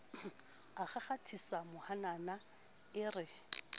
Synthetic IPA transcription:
aχaχatʰisamʊhanana | ɪrɪ

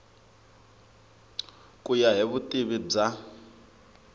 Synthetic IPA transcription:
kʼujaɦiβutʼiβib͡ʐa

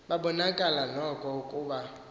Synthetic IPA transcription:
babɔnakʼalanɔkʼɔkʼuba

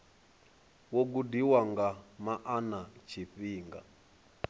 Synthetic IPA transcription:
woɡ̬udiwaŋɡamaʔanat͡ʃʰiɸiːŋɡa̰

